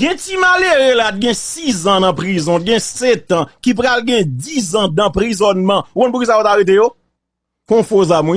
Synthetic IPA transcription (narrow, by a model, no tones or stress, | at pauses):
ɡɛ̃timaleʁelat̪̚ɡɛ̃sizãnɐ̃pʁizɔ̃ɡɛ̃sɛt̪ãkip̬ɣalɡɛ̃dizãd̪ãpʁizɔnmɑ̃ukɔ̃np̬ukisajotaɣet̬ejo | kɔ̃fozamũ